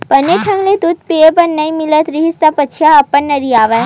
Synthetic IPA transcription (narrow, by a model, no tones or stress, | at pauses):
pɐneʈʰɐŋɡlet̪ut̪̚piepɐɾnɐimɪlət̪ɾiɦist̪apət͡ʃʰjaɐpːəɳnɐɾiaːʋa